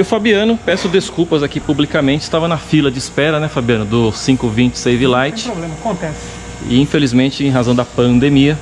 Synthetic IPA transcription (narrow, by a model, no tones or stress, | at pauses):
ʊfabiɐ̃nʊpɛsʊd̪eskupɐzakipublikamẽnt͡ʃɪst̪avɐnɐfilɐd͡ʒɪspɛɾɐnɛfabiɐ̃nʊd̪ʊsĩkʊvĩt͡ʃɪ̥sejvilajt͡ʃɪ̥oblẽmɐkõt̪ɛsɪ̥ | ɪ̰ĩfelizmẽnt͡ʃɪẽj̃ɦazɐ̃w̃d̪ɐpɐ̃d̪emiɐ